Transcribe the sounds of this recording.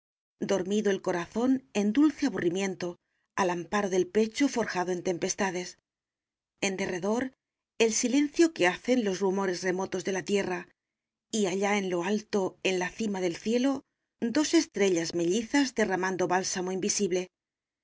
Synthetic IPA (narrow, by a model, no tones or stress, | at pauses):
d̪o̞ɾmiðoe̞lko̞ɾaθo̞ne̞nd̪ulθe̞aβurimjẽ̞nt̪o̞ | alampaɾo̞ðe̞lpe̞t͡ʃo̞fo̞ɾxaðoe̞nt̪e̞mpe̞st̪aðe̞s | e̞nd̪e̞re̞ðo̞ɾ | e̞lsile̞n̟θjo̞keaθe̞nlo̞zrumo̞ɾe̞zre̞mo̞t̪o̞zðe̞lat̪je̞ra | iaʎae̞nlo̞alt̪o̞e̞nlaθimaðe̞lθje̞lo̞ | d̪o̞se̞st̪ɾe̞ʎazme̞ʎiθazd̪e̞ramãnd̪o̞βalsamo̞imbisiβle̞